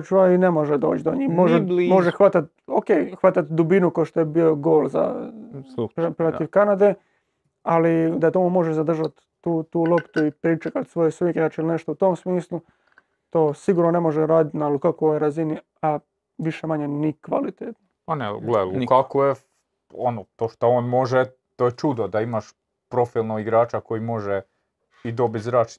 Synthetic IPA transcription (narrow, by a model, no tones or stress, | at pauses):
t͡ʃuainemo̞ʒed̪o̞̰ːt͡ʃd̪oɲiːmoʒemo̞ʒexʋat̪at̪ | okeːjxʋat̪at̪d̪ubinukoʃt̪ojebio̞ɡoːlza̰ | ppɾelat̪iʋkanad̪e | alid̪at̪omumo̞ʒezad̪r̩ʒat̪ː | uːt̪uːlˠo̞pt̪uipɾit͡ʃekat̪sʋo̞jesʋiːkeaːt͡ʃilneʃt̪out̪o̞ːmsmiːslˠu | t̪o̞ːsiɡuːɾnone̞moʒeɾaːd̪it̪nalukakoojɾazini | a | ʋiʃemaɲenikʋa̰lit̪eːt̪no | anɛɡlelukakoje | o̰not̪oʃt̪ooːnmo̞ʒe | t̪ojet͡ʃud̪od̪aimaʃ | pɾo̞filˠnoɡiɡɾaːt͡ʃako̞jimo̞ʒe | id̪o̞bit̪zɾaːt͡ʃ